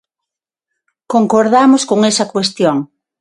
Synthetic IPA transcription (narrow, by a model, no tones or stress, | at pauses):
koŋkoɾðamoskoŋesɐkwest̪joŋ